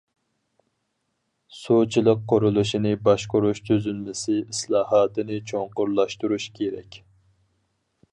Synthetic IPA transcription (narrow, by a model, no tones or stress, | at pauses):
sut͡ʃʰilˠəqːoɾulˠuʃinɨbɑʃqʊɾuʃt̪ʰøzynmɪsɪislˠɑːɦɑːt̪ʰɨnɨt͡ʃʰoŋqʊɾlˠɑʃt̪uɾuʃkʲʰeɾɛ̰kʲ